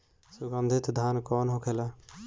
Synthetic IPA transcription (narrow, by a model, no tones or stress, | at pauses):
suɡənd̪ʱit̪d̪ʱankɔːnɦõkʰela